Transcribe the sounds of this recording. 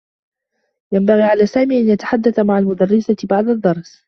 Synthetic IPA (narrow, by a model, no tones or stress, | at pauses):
jambaɣiːʕalaːsaːmiːʔanjat̪ḁħad̪ːaθamaʕalmʊd̪ɑrːɪsabaʕd̪ad̪ːɑɾˤs